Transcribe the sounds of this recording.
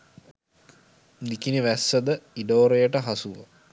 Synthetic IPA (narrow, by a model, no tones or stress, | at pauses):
nikiniʋæsːəd̪əiɖoːɾejəʈəɦasuʋə̰